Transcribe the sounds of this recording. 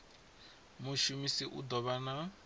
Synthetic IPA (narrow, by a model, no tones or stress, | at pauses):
muʃumisiʔṵd̪ɔβana